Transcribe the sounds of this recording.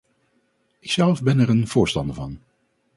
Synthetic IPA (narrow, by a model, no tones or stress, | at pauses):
ʔɪksɛlˠvbɛnɛɹənvʊːɹstɑndəɹvɑn